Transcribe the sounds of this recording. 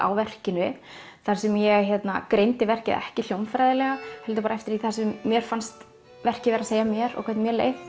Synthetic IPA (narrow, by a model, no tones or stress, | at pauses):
a̰wvɛr̥cɪnʏ | θaɾ̥sɛmjɛçɛt̪na̰kɾejnt̪ɪvɛr̥cɪ̰ðɛ̰hcɪljowmfɾajðɪlɛɣahɛlt̪ʏpaɾaɛft̪ɪɾeiθḁɾsɛmːjɛɾ̥fanst̪ | vɛr̥cɪvɛːɾaðseːjamjɛɾɔ̰kʰɛt̪nmjɛlḛj